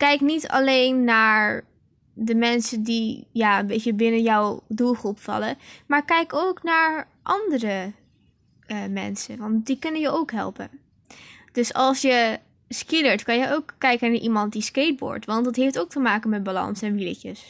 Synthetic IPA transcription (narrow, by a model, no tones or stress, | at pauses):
kɛjknitɑ̰lejnːaːɹ | dəmɛnsəndijaːənbejtəbɪnənjɔwdulˠχrupfɑ̰ləmaːɹkɛjkowknaːɹ | ʔɑndərə | əmɛ̰nsə̰ʋɑntdikɵnənjəʔowkɦɛ̰lˠpə̰n | d̥ɵsɑlˠsjə | skɪləɹtkɑnjəʔowkːɛjkənaːɹʔimɑntdiskejd̚bɔ̰ːɹtʋɑntdɑtɦejftowk̚təmaːkənmɛd̚balɑ̰nsɛnʋilə̰cə̰s